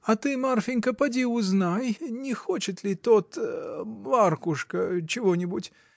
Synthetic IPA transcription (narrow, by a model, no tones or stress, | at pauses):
ɐt̪ɨmarfʲɪnʲkɐpɐdʲiʊznajnʲɪxɔt͡ɕɪt̪lʲit̪ɔt̪ | markʊʂkɐt͡ɕɪvɔnʲɪbut͡sʲ